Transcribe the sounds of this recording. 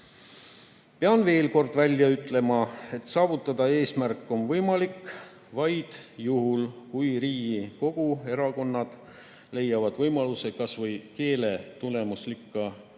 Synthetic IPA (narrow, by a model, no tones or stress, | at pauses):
peɑnve̞ːlko̞rd̪̥vælʲːjɑyt̪ːˑle̞mɑe̞t̪sɑːvut̪ːˑɑd̪̥ɑe̞ːsmærkːˑo̞nvɤjmɑlikː | vɑjd̪̥juɦulkujɾiːɡiko̞ɡ̥ue̞ɾɑko̞nːɑd̪̥ | le̞jːɑvɑd̪̥vɤjmɑluse̞kɑsvɤjke̞ːle̞t̪ule̞muslikːɑ